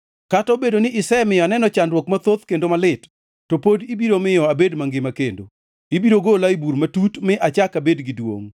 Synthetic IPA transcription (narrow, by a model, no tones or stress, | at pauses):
katɔbedonɪʔɪsɛmɪjɔnɛnɔt͡ʃandwokmat̪ot̪kendomalɪtː | opodibiɾomɪjɔabedmaŋɡɪmakendo̰ | ibiɾoɡolaibuɾmatutmɪʔat͡ʃakabedɡɪdwo̰ŋ